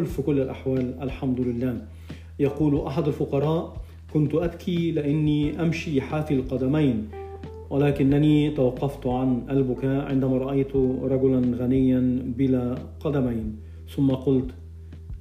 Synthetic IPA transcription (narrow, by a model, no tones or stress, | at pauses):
lfikʊlːɪlʔaħwaːlʔalħamd̪ʊlɪlːaː | jɑquːlʔaħad̪alfʊqɑɾˤɑːʔ | kʊnt̪ʊʔad̪kʰilɪʔanːiʔamʃiħaːfilqɑd̪amajn | wɪlaːkɪnːaniːt̪awɑqːɑft̪ʕanʔalbʊkaːʔʕɪ̰nd̪amaɾˤɑʔajt̪ʊɾˤɑɡʊlanɣanɪjːanbɪlaqɑd̪amajn | θʊmːaqʊlt̪